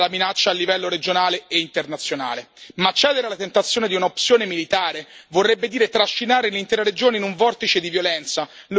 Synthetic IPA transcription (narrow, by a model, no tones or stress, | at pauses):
laminat͡ʃːaːlːivɛlːoɾed͡ʒonaːleeint̪ernat̪sːjona̰ːlemat͡ʃːɛːd̪eɾealat̪ent̪at̪sːjoːned̪iunaopsjoːnemilit̪aːɾevorːɛbːed̪iːɾet̪ɾaʃːinaːɾenlint̪ɛːɾaɾed͡ʒoːneinuɱvɔrt̪it͡ʃed̪ivjolɛnt̪salu